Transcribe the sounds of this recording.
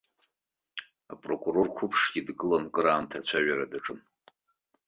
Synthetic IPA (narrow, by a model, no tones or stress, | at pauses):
apʼro̞kʼuro̞rkʷʰʊpʰʂɡʲidɡɨlonkʼɨɾaːmtʰat͡ɕʷʰaɥaɾadaʈ͡ʂʼɨn